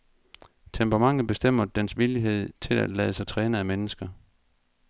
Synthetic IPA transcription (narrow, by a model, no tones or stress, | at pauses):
t͡sʰempʁɑmɑ̈ŋ̰ð̩ˠb̥e̝sd̥em̰ɐd̥ensʋiliɦe̝ð̞̰ˠt͡sʰe̝læd̥lɛːð̩ˠəsɑ̈ɪt͡sʰʁɛːnəæmenəsɡ̥ɐ